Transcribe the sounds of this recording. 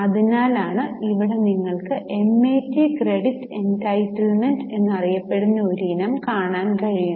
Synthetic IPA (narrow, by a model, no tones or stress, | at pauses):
ɐðinaːlaːɳɨiʋiɽe̞niŋːɐɭkɨʔe̞mːeːtːikreɽitːe̞ntɐjtːɐɭme̞nɖe̞nːɨɐrijɐpːe̞ɽunːɐoɾuinɐmkaːɳaːnkɐɻiju